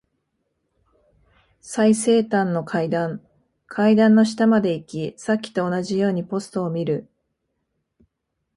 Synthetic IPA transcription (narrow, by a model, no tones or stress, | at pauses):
saise̞ːt̪ãnːo̞kʰaid̪ãŋ | kʰaid̪ãnːo̞ɕi̥t̪amad̪e̞ikʲisakʲːi̥t̪o̞ːnaʑijo̞ːɲ̟ipo̞sɨ̥t̪o̞ːmʲiɾɯ̟